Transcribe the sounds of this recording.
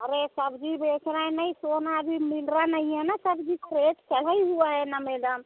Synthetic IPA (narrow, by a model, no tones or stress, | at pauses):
əɾesəbd͡ʒibekʰɾaɛ̃nəjsonaəbʱimilɾanəijẽnasəbd͡ʒikɾeʈt͡ʃəl̤əjɦuaɦɛnameləm